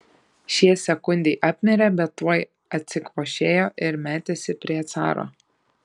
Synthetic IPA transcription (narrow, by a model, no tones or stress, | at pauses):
ʃʲiɛsʲɛkʊnʲd̪ʲɛɪʔɑːpʲnʲɛɾʲɛbʲɛt̪ːuɔj | ɐt̪ʲsʲɪkʋoːʃʲeːjoːʔɪɾmʲæːt̪ʲesʲɪpʲɾʲiɛt̪sɑ̰ːɾo̰ː